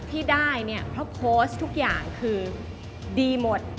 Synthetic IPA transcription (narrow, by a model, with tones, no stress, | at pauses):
t̪ʰiː˥˩daː˥˩jni˥˩ɐpʰɾɔ˦˥pʰoː˦˥st̪ʰu˦˥k̚jaː˨˩ŋkʰɯː˧ | diː˧mo˨˩t̪̚